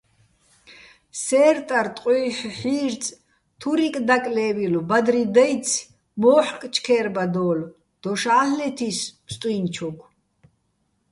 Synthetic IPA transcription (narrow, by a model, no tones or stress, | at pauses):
sɛːɾt̪ʼaɾt̪ʼqʼiːħħiːɾt͡sʼ | t̪ʰuɾikʼd̪akʼlɛːvilɔbad̪ɾid̪ɛjt͡sʰ | mɔːħkʼt͡ʃʰkʰɛːɾbad̪ɔːl | d̪̥ɔʃaːllɛt̪ʰismst̪ʼwint͡ʃʰɔkʰʷ